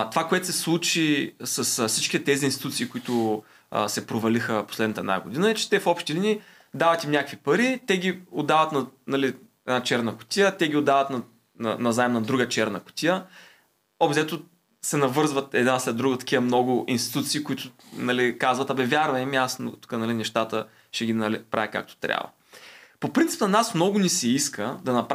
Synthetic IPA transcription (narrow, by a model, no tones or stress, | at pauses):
t̪o̥vakoɛt̪ʊ̥sɛslˠut͡ʃisɐsfsit͡ʃki̥t̪ɛt̪ɛzinst̪i̥t̪ut̪siːkʊit̪ʊ̰ | sɛpɾovɐlixəposlɛd̪nət̪əɛd̪na̰ɡʊd̪inəɛt͡ʃɛ̥t̪ɛfɔpʃt̪ilini | d̪avɐt̪imnʲakəkvipɐɾit̪ɛɡʲiod̪ːavət̪nɐnɐli | ɛd̪nat͡ʃɛɾnəkʊ̥t̪ʲijət̪ɛɡʲiod̪ːavət̪nɐ | nɐ̰nɐzaɛmnɐd̪ɾuɡət͡ʃɛɾnəkʊ̥t̪ijə | ɔbt̪zɛt̪o | sɛnɐvɤɾzvət̪ɛ̰d̪naslɛd̪d̪ɾuɡət̪ɐ̥kʲivəmnɔɡʊʔinst̪i̥t̪ut̪siːkʊit̪ʊnɐlikazvɐt̪ɐbɛvʲjaɾvɐɛmiasno̰t̪u̥kənɐlinɛʃt̪at̪ə | ʃɛɡʲinɐlipɾa̰vɛka̰k̚t̪o̥t̪ɾʲa̰və̰ | popɾint̪si̥pnɐnasmnɔɡʊnisɛiskəd̪ɐnɐp